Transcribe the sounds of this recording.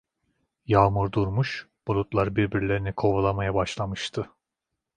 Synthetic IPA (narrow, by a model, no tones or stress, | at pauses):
jaːmuɾd̪uɾmuʃb̥olˠut̪lˠaɾbiɾbiɾlʲe̞ɾinikʰo̞vulˠamajabaʃlˠamɯʃt̪ʰɯ